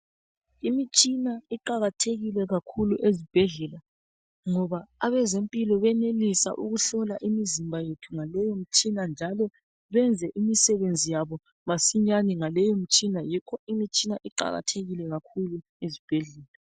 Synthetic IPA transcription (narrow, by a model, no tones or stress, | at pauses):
imit͡ʃʼinaiǃaɣatʰeɣilɛɣakʰuluʔezib̥ʱɛɮɛla | ŋɔβaːβɛzempʼilɔβɛnelisa̰ʔuɣuɬɔlaʔimizimbʱajetʰuŋalɛjom̩t͡ʃʼinand͡ʒʱalɔ | βɛnd͡zʱɛʔimisɛβend͡zʱijaβɔ | masiɲaniŋalɛjom̩t͡ʃʼinajikʰɔimit͡ʃʼinaʔiǃa̰ɣa̰tʰeɣilɛɣakʰulu | ezib̥ʱɛɮɛːla